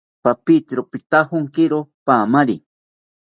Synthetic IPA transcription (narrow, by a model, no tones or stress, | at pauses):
papit̪ɾopit̪ahʊŋkɪɾopamaɾi